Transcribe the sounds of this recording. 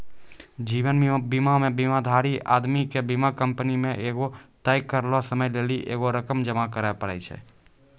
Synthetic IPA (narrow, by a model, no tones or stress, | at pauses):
d͡ʒiʋənbimamẽbimad̪ʱaɾiʔa̰d̪mikebimakəmpənimẽʔeɡot̪əjkːəɾlɔsəməjleliʔḛɡoɾəkəmd͡ʒəmakəɾapəɾɛ̰ɪt͡ʃʰɛ̰